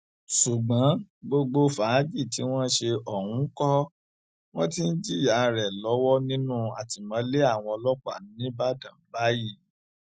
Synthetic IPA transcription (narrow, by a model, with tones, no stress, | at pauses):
ʃu˨ɡ͡bã˨˦ɡ͡bo˧ɡ͡bo˧fa˨˦d͡ʒi˦˨ti˨˦w̃ɔ̃˦ʃe˧ɔ˨hũ˨˦kɔ˦ | w̃ɔ̃˦ti˦n̩˦d͡ʒi˦ja˨ɾɛ˨lɔ˨˦wɔ˦nĩ˦nũ˦a˨ti˨mã˨˦le˦a˦˨w̃ɔ̃˧ɔ˧lɔ˦k͡pa̰˨n˨˦nĩ˦ba˦dã˨m̩˨˦ba˦ji˦˨